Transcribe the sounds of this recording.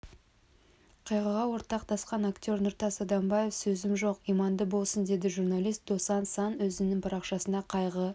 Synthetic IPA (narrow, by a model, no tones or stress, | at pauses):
qʰɑjʁəʁɑwo̞ɾt̪ɑqt̪ɑsqɑnakt̪ʲo̞ɾnʊɾt̪ɑsɑd̪ɑmbɑje̞fsɵzɪmʒo̞qijmɑnd̪əbo̞lˠsənd̪e̞d̪ɪʒurnalʲijst̪̚d̪o̞sɑnsɑnwɵzɪnɪŋbʰɑɾɑqʃɑsənd̪ɑqʰɑjʁə